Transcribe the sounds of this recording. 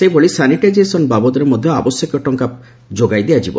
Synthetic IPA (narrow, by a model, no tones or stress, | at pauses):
sebɔɭisaniʈajd͡ʒesɔnbabɔd̪ɔɾemɔd̪ʱjɔa̰bɔsjɔkɔʈɔŋkap̚ | d͡ʒoɡajd̪ejad͡ʒibɔ̰